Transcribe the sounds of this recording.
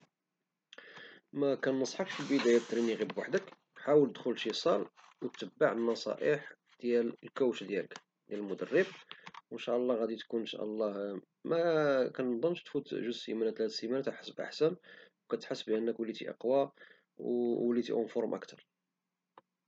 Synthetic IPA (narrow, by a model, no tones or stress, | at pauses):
mækænːəsˤħɑkfilbəd̪æjat̪ːɾiniɣibwaħd̪ək | ħawəlt̪əd̪xʊlʃisˤɑl | wət̪ːəbːaʕənːɑsˤɑ̰ʔiħ | d̪jællkæwʃd̪jælək | d̪jæləlmʊd̪ərːəb̚wənʃæʔəlˤːɑɣæd̪it̪kunnʃæ̰ʔəlˤːɑ | mækænnd̪ˤɑmʃt̪fut̪ʒəzsimænæt̪lhæd̪simænæt̪æħə̥sbʔa̰ħsænwkæt̪ħəsːbʔənːəkwəlːit̪ḭʔɑ̰qwa | wəlːit̪ḭhʊnfoɾˤmʔə̰kt̪ʰɑɾˤ